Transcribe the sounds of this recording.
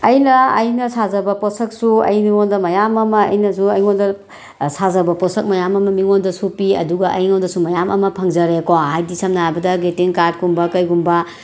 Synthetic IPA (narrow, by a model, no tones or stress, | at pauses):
ɐjnɐɐjnɐsʰazɐbɐposɐk̚suɐ̰jmiŋondɐmɐjamɐmɐ̰ːjnɐsuɐjŋondɐ | sʰazɐbɐposʰɐk̚mɐjamɐmɐmiŋondɐsupiɐ̰duɡɐʔɐ̰jŋondɐsumɐjamɐ̰mɐpʰɐŋzɐɾekohajdisɐmnabɐdɐɡetiŋkaɾdkumbɐkɐjɡumbɐ